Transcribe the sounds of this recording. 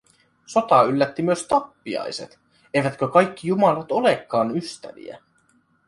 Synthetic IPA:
so̞t̪ɑylːæt̪ːimyøst̪ɑpːiɑ̰jse̞̰t̪ | e̞jʋæt̪køkɑjkːijumɑlɑt̪o̞lekːɑːnyst̪æ̰ʋḭæ̰

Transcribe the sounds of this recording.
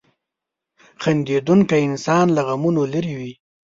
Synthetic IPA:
xand̪ed̪uŋkaɪnsɑnlaɣamunolaɾiwi

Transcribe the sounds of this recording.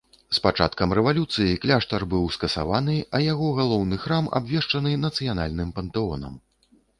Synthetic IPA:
spat͡ʂa̰t̪kɐmrɛvalʲut̪sɨjiklʲaʂt̪ɐrbɨwskɐsa̰vanɨɐjaɣɔɣalˠɔwnɨxɾama̰bvʲɛʂt͡ʂɐnɨnɐt̪sɨjan̪a̰lʲnɨmpɐnt̪ɛɔnɐ̰m

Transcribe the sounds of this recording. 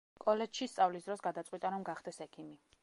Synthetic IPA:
kʼɔlɛd͡ʒʃist̪sʼavlisd̪ɾɔsɡad̪at̪sʼwit̪ʼaɾɔmɡaχd̪ɛsɛkʰimi

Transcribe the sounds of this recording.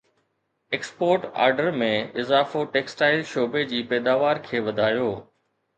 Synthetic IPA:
eːkspoːɾʈa̰ːɾɖəɾmẽɪzaːfoʈeːksʈaːɪlʃoːbed͡ʑiːpɛːd̪aːʋaːɾkʰeːʋɐd̪ʱaːjoː

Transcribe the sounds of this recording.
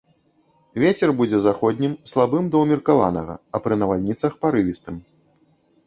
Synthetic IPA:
vʲet͡sʲɛrbud͡zʲɛzaxɔd̪ʲnʲimslˠabɨmd̪ɐwmʲirkava̰nɐ̰ɣɐ̰ɐpɾɨnɐvalʲnʲit̪sɐxpaɾɨvʲist̪ɨm

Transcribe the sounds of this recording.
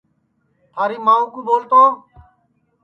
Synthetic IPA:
t̪ʰaːɾiːmãːũːkuːboːlt̪oː

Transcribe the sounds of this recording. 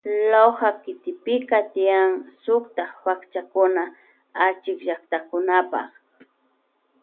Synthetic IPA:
lohakɪt̪ɪpɪkat̪ɪjaŋsʊkt̪aχwakt͡ʃakʊna | at͡ʃɪkʒakt̪akʊnapɑ̰χ

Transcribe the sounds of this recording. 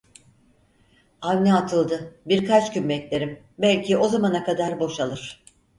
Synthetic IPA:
avnɛat̪ʰɯlˠd̪ɯbiɾkat͡ʃcymbɛclʲe̞ɾim | bælʲcʰio̞zamanakad̪aɾbo̞ʃalˠɯɾ̥

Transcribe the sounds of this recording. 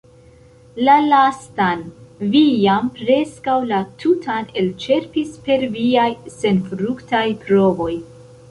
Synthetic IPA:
lalastanvijampɾe̞skawlatʰutʰane̞lt͡ʃe̞ɾpispe̞ɾviajse̞nfɾuktajpɾo̞vo̞j

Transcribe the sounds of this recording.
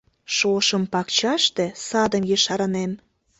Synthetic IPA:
ʃoʃəmpɑkt͡ɕɑʃt̪e̽sɑd̪əmjəʃɑɾənen

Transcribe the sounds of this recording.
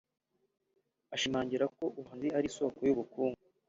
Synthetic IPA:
aʃimaːɲɟiɾako̞ʔuhanziaɾiso̞ːkojuβukuːŋɡu

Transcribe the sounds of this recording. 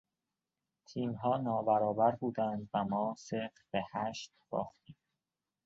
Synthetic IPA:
t̪ʰiːmɦɒːnɒːbæɾɒːbæɾbuːd̪ænd̪væmɒːse̞fɾb̥ehæːʃt̪b̥ɒ̰ːxt̪iːm

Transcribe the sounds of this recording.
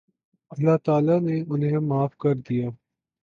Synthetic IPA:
ɐlːat̪aːlaneʊnɦemaːfkɐɾd̪ijaː

